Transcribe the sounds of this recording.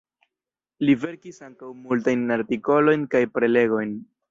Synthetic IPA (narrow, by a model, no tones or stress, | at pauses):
live̞ɾkisaŋkawmultajnaɾtiko̞lo̞jnkajpɾe̞le̞ɡo̞jn